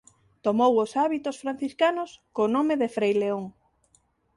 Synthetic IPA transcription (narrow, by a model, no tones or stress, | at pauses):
t̪omowʊsaβit̪osfɾan̟θiskanʊskonõmeðefɾejleoŋ